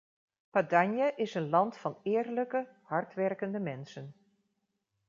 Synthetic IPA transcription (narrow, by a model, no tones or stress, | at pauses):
padaɲjəʔɪsənlɑntfɑnɪːrləkəhɑɹtʋɛrkəndəmɛnsən